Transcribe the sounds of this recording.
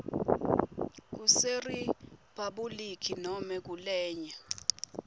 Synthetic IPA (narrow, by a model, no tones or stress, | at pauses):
k̬useripaɓulikʰinɔmɛk̬ulɛːɲa